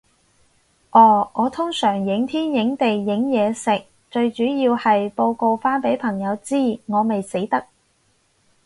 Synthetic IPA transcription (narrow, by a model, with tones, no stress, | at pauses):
ʔɔː˧˩ŋʔɔː˨˧t̪ʰʊ˥ŋsœː˨˩ŋjɪ˨˥ŋt̪ʰiː˥njɪ˨˥ŋt̪e˨jːɪ˨˥ŋjɛː˨˧sɪ˨k̚ | t͡ʃɵ˧ɥt͡ʃyː˨˥jiː˧whɐ˨jpo˧wko˧wfaː˥npe˨˥jpʰɐ˨˩ŋjɐ˨˧wt͡siː˥ŋɔː˨˧me˨jse˨˥jt̪ɐ˥k̚